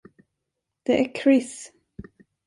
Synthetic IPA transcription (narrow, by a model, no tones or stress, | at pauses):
d̪̥ɛʔækʰɾɪs